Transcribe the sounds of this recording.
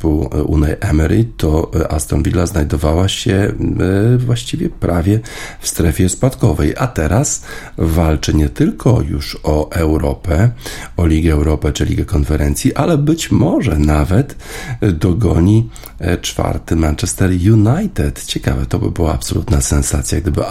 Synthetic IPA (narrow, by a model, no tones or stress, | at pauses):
puṵnajʔɛmɛɾit̪ɔa̰st̪ɔnvʲilːaznajd̪ɔvawaɕɛ | vwaɕt͡ɕivʲjɛpɾʔavʲjɛ | fst̪ɾɛfʲjɛspat̪kɔvɛjʔat̪ɛɾas | valt͡ʂɘɲɛt̪ɘlkʰɔ̰juʂɔʔɛwɾɔpɛɔlʲiɡʲɛːwɾɔpɛt͡ʂɘlʲiɡakɔnfɛɾɛnt̪sʲjiʔalɛbɘt͡ɕmɔʐɛnavɛt̪ | d̪ɔɡɔɲi | t͡ʂfa̰ɾt̪ɘmant͡ʂɛst̪ɛɾjunajt̪ɛt̪t͡ɕɛka̰vɛt̪ɔbɘ̰bɘwa̰ːpsɔlut̪nasɛnsat̪sʲjaɡ̚d̪ɘbɘ